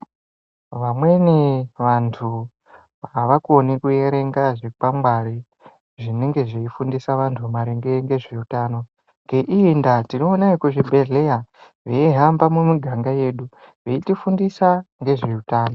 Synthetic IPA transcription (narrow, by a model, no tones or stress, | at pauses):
ʋamwe̞niʋantʰu | ʋaʋakonikue̞ɾe̞ŋɡaʐepamwaɾi | ʐine̞ŋɡe̞ʐeifundisaʋantʰumaɾeŋɡeŋɡe̞ʐe̞utaːno̞ | ŋɡe̞ʔiːndatino̞ːnaikuʐibʱe̞ɮe̞ja | ʋeiɦambamumiɡʱaŋɡaje̞ːɗu | ʋeitifundisaŋɡe̞ʐe̞utaːno